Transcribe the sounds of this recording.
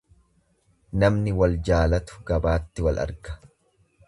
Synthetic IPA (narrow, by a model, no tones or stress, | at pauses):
nɐmnɪwɐld͡ʒaːlɐt̪ʊ̥ɡɐbaːt̪ːɪwɐlɐ̰ɾɡɐ̥